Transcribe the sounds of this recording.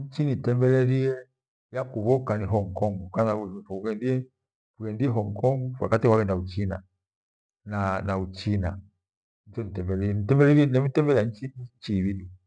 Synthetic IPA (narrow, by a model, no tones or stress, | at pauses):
ɲ̩t͡ʃinitɛmbɛlɛɾiɛ | jakuβɔkaniɦɔŋkɔŋɡukanaufɔuɡɛndiɛ | kuɡɛndiɛɦɔŋkɔŋɡuwa̰katiwawɛndaut͡ʃina̰ | nanaut͡ʃina | ɲ̩t͡ʃɔnitɛmbɛliɛnitɛmbɛlɛɾiɛnɛmitɛmbɛlɛaɲt͡ʃit͡ʃiβidu